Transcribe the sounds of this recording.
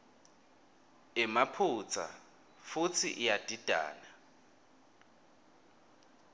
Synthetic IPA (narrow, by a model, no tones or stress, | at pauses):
ɪmapʰut͡sʰa̰ | fut͡sʰḭʔijad̥ʱid̥ʱa̰ːna